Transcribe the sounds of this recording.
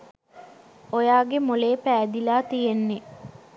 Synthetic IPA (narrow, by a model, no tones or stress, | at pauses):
ojaːɡemoleːpæːd̪ilaːt̪ijenːe